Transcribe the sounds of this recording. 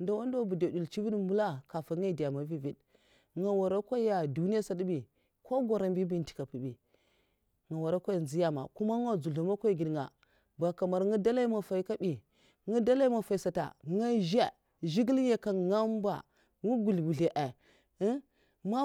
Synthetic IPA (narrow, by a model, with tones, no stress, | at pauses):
nda˨wa˦n˦da˦bu˨do˨di˨lt͡ʃi˦vi˦dmu˦la˦ka˨fa˨˦ŋa˦˨di˨ja˨ma˨vi˦vi˦d | ŋa˨wa˨ɾa˦kʷa˦ja˨du˨ni˦ja˦sa˨dbi˨ | ko˦ɡa˨ɾa˨mbi˦bi˦n˨ti̥˨ka˨pu˨bi˨ | ŋa˨wa˨ɾa˦kʷa˦a˨nzi˦ja˨ma̰˨ku˦ma˦ŋa˦d͡zu˨ɮa˨ma˦kʷa˦i˦˨ɡi˨dŋa̰˨ | ba˨ka˨ma˨ɾŋu˦da˦la˦i˦ma˨fa˨i˦ka˦bi˨ | ŋu˦da˦la˦i˦ma˨fa˨i˨sa˨ta̰˨ŋa˦ʒa˦ | ʒi˦ɡi˦lje˨ka˨ŋa˦m˦ba̰˨ | ŋu˦ɡu˨lbu˨ɬe˨ʔɛ˨˦ | ma˦